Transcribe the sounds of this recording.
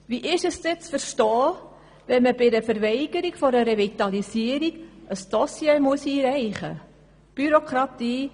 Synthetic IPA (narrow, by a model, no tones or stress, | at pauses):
ʋiʔɪʃəsdɛt͡sfəɾʃtɔː | ʋɛnməbɪdəfəɾvɛɪɡ̥əɾiɡ̥fɔɾəɾevit̪ɑlisiəɾiɡ̥əsd̥ɔsjeːmuəsiːɾɛɪχə̰ | b̥yɾokɾɑt̪iː